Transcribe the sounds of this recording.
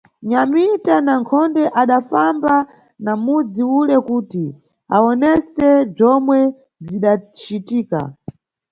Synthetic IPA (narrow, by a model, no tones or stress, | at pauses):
ɲamitanaŋkʰɔndɛʔaɗafamba | namud͡ziulɛkuːti | aɔnɛsɛb͡ʐɔmwɛ | b͡ʐiɗat͡ʃitiːka̰